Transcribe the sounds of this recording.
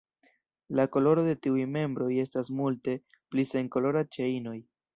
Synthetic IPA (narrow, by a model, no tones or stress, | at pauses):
lako̞lo̞ɾo̞de̞tiujme̞mbɾo̞je̞stasmulte̞ | plise̞ŋko̞lo̞ɾat͡ʃe̞ino̞j